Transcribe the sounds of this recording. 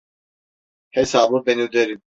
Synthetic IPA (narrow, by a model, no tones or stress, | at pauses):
hɛsabubɛnud̪ɛɾi